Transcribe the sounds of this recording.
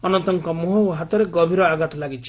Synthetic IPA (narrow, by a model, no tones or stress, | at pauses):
ɔnɔnt̪ɔŋkɔmuɦɔwɦat̪ɔɾeɡɔbʱiɾɔaɡat̪ɔlaɡit͡ʃʰi